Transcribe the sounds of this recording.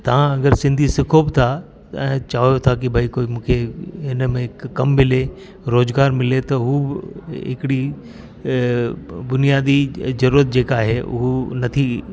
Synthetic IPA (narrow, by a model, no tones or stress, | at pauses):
t̪ɐʋ̤ãɐɡəɾsɪ̃nd̪ʱisɪkʰobɪt̪ʰa | ɛ̃ːt͡ɕaːʋjot̪ʰak̬ibʱɐikoːimũːkʰeɦɪnəmẽɪkːɐmːɪle | ɾoːzɡaːɾmɪlet̪ɐɦuːbɪɦɪkɪɽi | bʊnijaːd̪izɐɾuːɾət̪̚d͡ʑeːkaːɦeʔʊ̰ɦonɐt̪ʰi